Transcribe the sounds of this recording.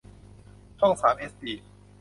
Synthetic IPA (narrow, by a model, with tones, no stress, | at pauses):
t̪ʰɔ˥˩ŋsaː˩˦mʔeː˦˥sp̪iː˨˩